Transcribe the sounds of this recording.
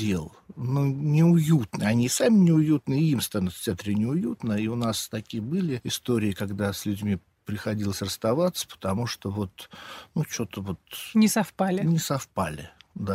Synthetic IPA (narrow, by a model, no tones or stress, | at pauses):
elˠnonʲɪʊjut̪nɨɐnʲisamʲɪnʲɪʊjut̪nɨimst̪anʲʊt̪ftʲɪat̪ɾʲɪnʲɪʊjut̪nəiʊnast̪ɐkʲijəbɨlʲɪɪst̪o̞ɾʲɪɪkɐɡd̪asʲlʲʉdʲmʲi | pɾʲɪxɐdʲilˠəsʲrəst̪ɐvat̪sə̥pə̥t̪ɐmuʂt̪ovo̞t̪nut͡ɕo̞t̪əvo̞t̪nʲɪsɐfpalʲɪnʲɪsɐfpa̰lʲɪ̰d̪a